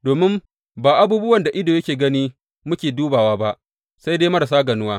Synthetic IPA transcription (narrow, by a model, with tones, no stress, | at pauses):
doː˨mɪ˦m | baː˨ʔa˦buː˦bʊ˦wɐ˨nda˨ʔɪ˦doː˨jɐ˦kʲeː˨ɡɐ˦niː˦ | mʊ˦kʲeː˨duː˦baː˨waː˦ba˦ʔ | sa˦jdeː˦jmɐ˦ɾa˨s̬aː˦ɡɐ˨nʊ˦waː˦